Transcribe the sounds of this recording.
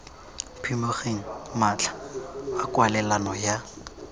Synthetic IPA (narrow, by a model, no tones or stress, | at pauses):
pʰimoχeŋ̩mat͡ɬḁakwalɛlanɔja